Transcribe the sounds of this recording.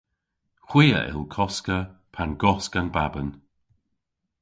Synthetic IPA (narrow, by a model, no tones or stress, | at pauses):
xwiːə̰ʔɪ̰lˠkʰɔskəpʰanɡɔskanbabən